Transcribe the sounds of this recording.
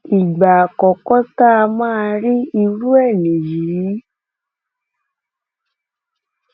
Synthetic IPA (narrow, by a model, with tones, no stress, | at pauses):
i˨ɡ͡ba˨a˨kɔ˨kɔ˦ta˦˧mãː˦˧ɾi˦i˧ɾu˦ɛ˦˨nĩ˨ji˨˦